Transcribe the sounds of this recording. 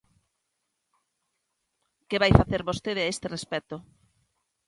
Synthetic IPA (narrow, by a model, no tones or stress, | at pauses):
keβajfaθeɾβost̪eð̞ɪaest̪ɪrespɛt̪o